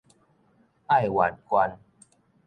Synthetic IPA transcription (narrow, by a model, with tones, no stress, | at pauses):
a˥˧˨jwa˨˩nkwa˧n